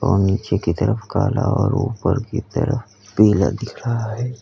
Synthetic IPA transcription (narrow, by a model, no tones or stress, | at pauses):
ɔːniːt͡ʃekit̪əɾəfkaːlaɔːɾuːpəɾkit̪əɾəf | piːlad̪ɪkʰɾaɦaɦɛː